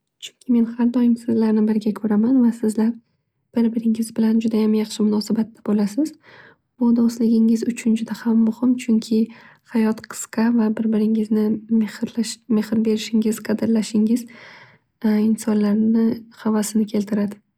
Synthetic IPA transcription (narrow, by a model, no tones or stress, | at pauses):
t͡ʃʰʊ̥ŋkʲʰɪme̞nhaɾd̪ɒjɪŋsɪzlaɾnɪbɪɾɡʲakʰɵɾamanvasɪzlaɾ | b̥ɪɾbɪɾɪŋɪzbɪland͡ʒʊd̪ajamjɑχʃɪmʊnɒsabat̪ːḁbolasɪz | bʊd̪ɒslɪɡʲɪŋɪzʊt͡ʃʰʊnd͡ʒʊd̪ahamːʊhɪmt͡ʃʰʊŋkʲʰɪ | hajɒt̪qʰɨ̥sqɑvabɪɾbɪɾɪŋɪznɪhlʃme̞hɾbe̞ɾɪʃɪŋɪz̥qʰɑd̪ɪɾlaʃɪŋɪz̥ | ɪnsɒnlaɾnɪhavasɪnɪkʲʰe̞lt̪ʰɪɾad̪ɪ